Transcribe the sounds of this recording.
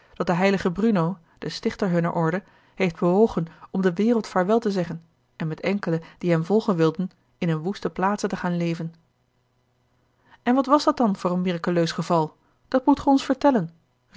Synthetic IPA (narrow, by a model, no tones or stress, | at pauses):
d̥ɑt̚dəɦɛjləχəbrynow | d̥əstɪχtəɹɦɵnə̰ɹʔɔɹdə | ɦejfd̚bəʋowχənɔmdəʋɪːrəlˠtfaːɹʋɛlˠtəzɛχən | ɛnmɛtɛŋkələd̥iɦɛmvɔlˠχənʋɪlˠdən | ɪnənʋustəplaːtsətəχaːnlejvən | ɛnʋɑtʋɑsdɑt̚dɑnv̥ʊːrənmɪrakyløɥsχəvɑlˠ | d̥ɑtmutχəɔnsfəɹtɛlən